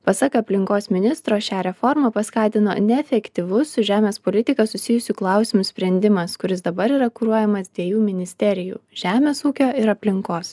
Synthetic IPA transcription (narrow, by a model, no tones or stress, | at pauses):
pɐsɑːkɐɐpʲlʲɪŋkoːsmʲɪnʲɪst̪ɾoːʃʲɑːɾʲɛfɔɾmɐpɐskɑːt̪ʲɪno̰ːnʲɛɛfʲɛkt̪ʲiʋʊsʊʒʲæːmʲeːspoːlʲɪt̪ʲɪkɐsʊsʲɪjʊsʲʊklˠɑˑʊsʲɪmʊsʲpʲɾʲɛnʲd̪ʲɪmɐskʊɾʲɪsd̪ɐbɐɾiːɾɐkʊɾuɔjɛmɐsd̪ʲʋʲiɛjuːmʲɪnʲɪsʲt̪ʲɛɾʲɪjṵːʒ̥ʲæːmʲeːsuːkʲoːɪɾɐpʲlʲɪŋkoːs